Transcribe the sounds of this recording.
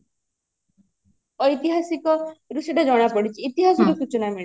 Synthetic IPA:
ɔjt̪iɦasikɔɾuseʈad͡ʒɔɽ̃apɔɽit͡ʃʰiːt̪iɦasɔɾusut͡ʃɔnamiɭ

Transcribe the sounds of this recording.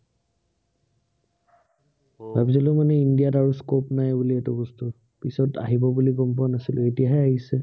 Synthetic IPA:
babizɔlomanɛindijataɹuskopnajbuliɛtʊbɔstʊ | pisɔta̰ɦibɔbuliɡɔmp̬anasilʊetijaɦɛaɦisɛ

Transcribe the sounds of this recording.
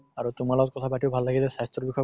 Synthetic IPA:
aɹut̪ʊmalaɔt̚kɔt̪ʰabaʈʰiʊbʱalːaɡilɛsast̪ɾɔbikʰɔ

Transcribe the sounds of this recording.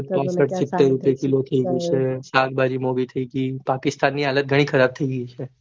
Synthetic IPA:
pãːsəʈsɪt̪ːeɾʊpekilot̪ʰɐiɡət͡ʃɛsaːɡbaːd͡ʒimoːɡit̪ʰəikipaːkɪst̪aːnːiɦaːlət̪̚ɡʱɐɽ̃ixʰɐɾaːb̚t̪ʰiiɡit͡ʃʰɛː

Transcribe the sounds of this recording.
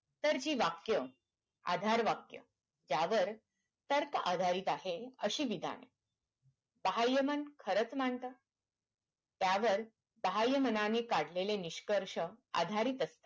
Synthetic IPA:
t̪əɾd͡ʑiːʋakjə | a̰d̪ʱaɾʋakjə̰ | d͡ʑaʋəɾ | t̪əɾka̰d̪ʱaɾiːt̪aɦeəɕiːʋid̪ʱa̰nḛ | bəɦajəmənkʰəɾət͡sm̤aɳt̪əː | t̪jaʋəɾ | bəɦajəmənanekaɽ̤leleniɕkəɾʂəa̰d̪ʱaɾiːt̪əst̪e̥

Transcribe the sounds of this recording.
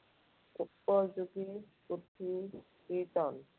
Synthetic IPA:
upːɔd͡ʒoɡiput̪ʰi | kit̪ɔn

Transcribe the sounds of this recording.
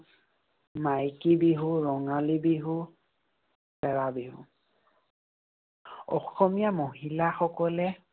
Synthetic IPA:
majkibiɦuɹɔŋalibiɦu | sɛɹabiɦṵ | ɔxɔmijamoɦilaxɔkɔlɛ

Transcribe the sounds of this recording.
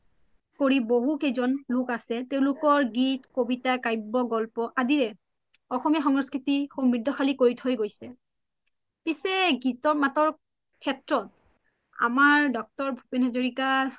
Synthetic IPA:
koɹiboɦukezɔnlʊkasɛteʊ̃lʊkɔɹɡitkobitakajbːɔɡɔlpɔʔadiɹɛ | ɔxɔmijaxɔŋɹɔskɹitixombɹidʱːɔxalikoɹitʰojɡojsɛ | pisɛɡitɔɹmatɔɹ | kʰɛtɹɔt̚ | a̰maɹdɔk̚tɔɹbʱu̥penhazoɹika

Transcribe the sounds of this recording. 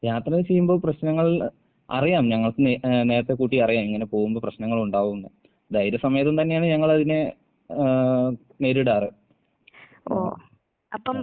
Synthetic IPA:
aːɐt̪rɐt͡ɕejːumboːprɐɕnɐŋːɐɭ | ɐ̰rijaːmɲɐŋːɐɭkɨne̞ːɾɐt̪ːe̞kuːʈːiɐrijaːmiŋːɐne̞po̞ːɣumboːprɐɕnɐŋːɐɭuɳɖaːʋunːɨ | d̪ɐjiɾɐsɐmɐjɐt̪̬ːumt̪ɐnːejaːɳɨɲɐŋːɐɭɐðine | meːɾuɽaːrɨ | o̰ː | ɐpːɐm

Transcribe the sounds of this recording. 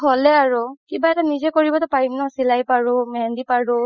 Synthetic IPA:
ɦolɛaɹukibaɛtanizɛkoɹibɔtʊpaɹinɔsilajpaɹʊmɛɛndipaɹʊ

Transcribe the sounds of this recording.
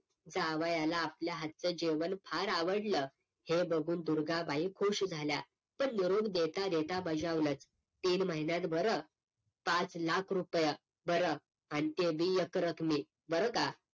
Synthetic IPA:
d͡zaʋajalaːpljaɦat̪̚t͡səd͡ʑeʋənfʰaɾaʋəɽlə | hebəɡʱuːnd̪uɾɡabaikʰoɕd͡zʱalja | pəɳniɾobd̪et̪ad̪et̪abad͡ʑuaʋlət͡s | t̪iːnməɦinjãt̪bəɾə | pat͡slakʰɾupjə | bəɾə | anit̪ebijəkɾəkʰmiː | bəɾəka

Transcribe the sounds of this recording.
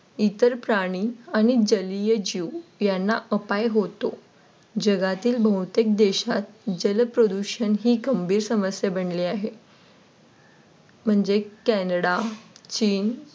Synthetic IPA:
it̪əɾpɾaɽ̃iːaɽ̃id͡ʑəlijəd͡ʑiwjanːaʔəpajɦot̪o | d͡ʑəɡat̪iːlbʱəwt̪ek̚d̪eɕat̪̚d͡ʑəlpɾod̪uɕənɦiːɡəmbʱiːɾsəməsjabəɳliaɦe | m̤əɳd͡ʑekɛnəɽat͡ɕiːn

